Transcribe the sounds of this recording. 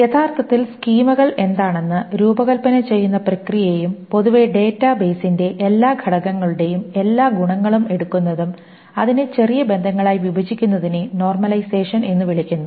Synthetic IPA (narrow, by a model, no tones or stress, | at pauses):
jet̪ʰaːrt̪ʰɐt̪ːilskiːmuɣɐɭʔe̞nd̪aːɳe̞nːɨɾuːbɐɣɐlpɐnɐt͡ɕe̞jːunːɐprɐkrijɐjejumpo̞ðuʋe̞ɖe̞ːtːɐbe̞ːsinde̞ʔelːaːɡʱɐɽɐɣɐŋːɐɭuɽe̞jume̞lːaːɡuɳɐŋːɐɭume̞ɽukːunːɐðum | ɐðinet͡ɕe̞rijɐbe̞nd̪ʱɐŋːɐɭaːjiʋibʱɐd͡ʑikʲːunːɐðineno̞ːrmɐlɐjse̞ːʂɐne̞nːɨʋiɭikʲːunːu